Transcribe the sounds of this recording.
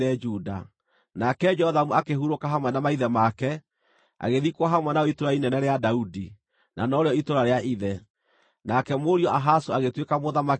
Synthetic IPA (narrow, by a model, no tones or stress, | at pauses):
ɛd͡ʒuda̰ | nakɛd͡ʒɛhɔðamuakeɦuɾokaɦamwɛnamaiðɛmakɛ | a̰ɣeðikwaɦamwɛnaɔitoɾainɛnɛɾeadaudi | na̰nɔɾeɔitoɾaɾeaʔiðɛ | nakɛmoɾiɔʔaɦasoaɣetwekamoðama